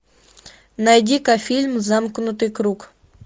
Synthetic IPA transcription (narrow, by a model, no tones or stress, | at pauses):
najdʲikafʲilʲmzamknʊt̪ɨjkɾuk